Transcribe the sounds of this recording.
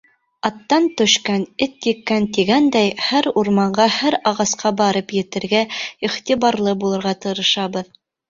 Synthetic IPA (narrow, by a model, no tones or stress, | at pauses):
ɑt̪ːɑnt̪ɵ̆ʃkænɘt̪jɘ̆kːænt̪iɡænd̪æjhæɾuɾmɑɴɢɑhæɾɑʁɑsqʰɑbɑɾɤpjɘ̆t̪ɘ̆ɾɡæiχt̪iβɑɾlˠɤbulˠɤ̆ɾʁɑt̪ɤ̆ɾɤ̆ʃɑbɤð